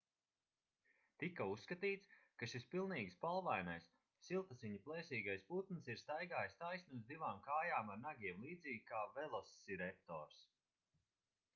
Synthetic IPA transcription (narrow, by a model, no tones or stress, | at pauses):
t̪ikausːkat̪iːt̪skaʃispilˠniːɡspalˠvajnajsː | ilˠt̪asiɲiplˠɛːsiːɡajsput̪nsiɾst̪ajɡaːjst̪ajsnuzd̪ivaːmkaːjaːmaɾnaɡʲiɛmlˠiːd̪ziːɡʲkaːvɛlˠɔsːiɾɛk̚t̪ɔ̰ːɾs